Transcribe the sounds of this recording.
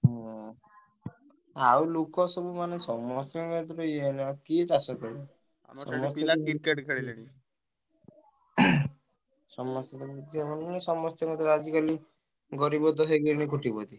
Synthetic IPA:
ɦɔ | awlukɔsɔbumanesɔmɔst̪jɔmed̪ɾɔienɔkit̪asɔkɔɾ | ɔ̰mɔst̪ɔikeʈkaɽileñi | sɔmɔst̪ɔt̪ɔbid̪iamɔnmanesɔmɔst̪jɔmɛd̪ɾɔad͡ʒikali | ɡɔɾibɔd̪ʱɔɦeɡinikuʈibɔd̪i

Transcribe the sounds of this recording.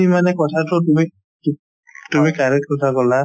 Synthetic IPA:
imanɛkɔtʰatʊtumi | t | tumikaɹɛt̚kɔtʰakɔla

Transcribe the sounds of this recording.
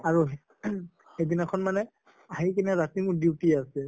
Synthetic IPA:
aɹuɦ | hedinakʰɔnmanɛ | aɦikeniazatimʊɹdiwtiasɛ

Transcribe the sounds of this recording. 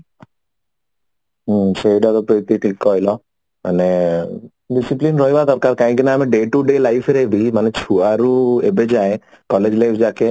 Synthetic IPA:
sejɖat̪ɔpɾɔit̪iʈʰikːɔjlɔ | a̰ne | ɖisiplinɾɔjbad̪ɔɾkaɾkaːɦĩkinaaːmeɖeːʈuɖelajfʰɾebimanet͡ʃʰuaɾuebed͡ʒaj | kɔled͡ʒlajfʰd͡ʒaːke

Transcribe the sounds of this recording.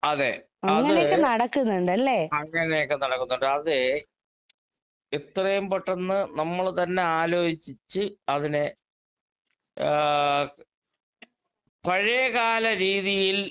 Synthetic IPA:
ɐðe | ɐɐðŋːɐɨnejokːenɐɽɐkːunːuɳɖɐlːeːɐŋːɐnejokːenɐɽɐkːunːuɳɖɨɐðɨ | et̪rɐjɐmbɐʈːɐnːɨnɐmːɐɭt̪ɐnːe̞aːlo̞ːhit͡ɕːit͡ɕːɨɐðine | pɐɻijɐɣaːlɐɾiːðijil

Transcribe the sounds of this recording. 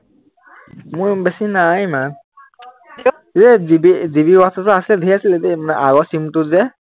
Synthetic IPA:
mʊɹbɛsinajma | zɛzibizibiwastɔtʊasilɛdʱijasilɛtɛmanɛʔaɡɔsimtʊzɛ

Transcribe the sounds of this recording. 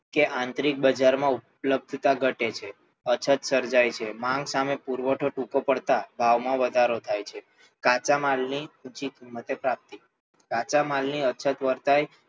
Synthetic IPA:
keʔãnt̪ɾik̚bəd͡ʒaɾmãupləb̚d̪ʱt̪aɡʱəʈet͡ʃʰe | ət͡ʃʰət̪səɾd͡ʒajt͡ʃʰemãŋɡsamepuɾʋəʈʰoʈũkopəɽt̪abʱaʋmãʋəd̪ʱaɾot̪ʰajt͡ʃʰe | kat͡ʃamalniũt͡ʃikimːət̪epɾap̚t̪i | kat͡ʃamalniət͡ʃʰət̪ʋəɾt̪aj

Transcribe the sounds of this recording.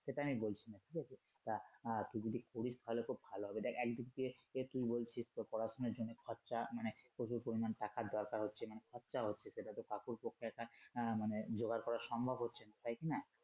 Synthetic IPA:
ʃeʈaamibolt͡ɕʰinaʈʰikat͡ɕʰe | t̪at̪ud͡ʒod̪ʱikoɽist̪aɦolekʰubbʱaloɦɔbed̪ɛkʰɛk̚d̪ikt̪ieet̪ujbolt͡ɕʰist̪opɔɾasoneɾd͡ʑonːekʰɔtːɕamanepoʃuɾpoɾimanʈakad̪ɔɾkaɾɦotːɕʰemanekʰɔtːʃaɦotːɕʰeseʈat̪okakuɾpokʰːeɛk̚ʈamaned͡ʑoɡaɾkɔɾaɾʃɔmbʱobʱɦotːɕʰenat̪ajkina

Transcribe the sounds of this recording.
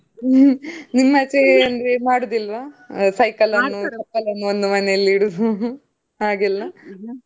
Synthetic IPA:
nimːɐt͡ʃeɐnd̪ɾemaːɽud̪ilːʋɐsɐjkɐlɐnːusɐkːɐlɐnːuond̪umɐneɐlːiɽud̪u | aːɡilːɐ

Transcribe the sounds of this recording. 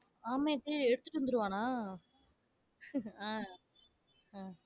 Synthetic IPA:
aːmeːt̪ːɯɛɽɯt̪ːɯʈːɯʋɯnd̪ɯɾɯʋaːnaː | ãː | ãː

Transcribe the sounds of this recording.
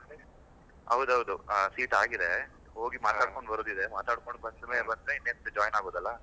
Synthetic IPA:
ɐwd̪ɐʋd̪usiːʈaːɡid̪e | ɦo̞ːɡimaːt̪aːkkoɳɖbɐɾoːd̪id̪emaːt̪aːɽkoɳɖbɐnd̪ɐmeːlbɐnd̪ɾeinːent̪ud͡ʒaːjnaːɡoːd̪ɐlːɐ

